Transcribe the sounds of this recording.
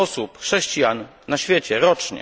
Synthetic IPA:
ɔsupxʂɛɕt͡ɕijanː | aɕfʲjet͡ɕɛɾɔt͡ʂɲɛ̰

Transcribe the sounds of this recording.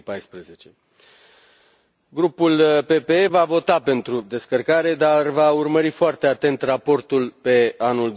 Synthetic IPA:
pajspɾeze̞t͡ʃe̞ | ɡɾupulpe̞peevavo̞t̪ape̞nt̪ɾud̪e̞skərkaɾe̞d̪arvaurməɾifoart̪e̞at̪e̞nt̪rapo̞rt̪ulpe̞anuld̪

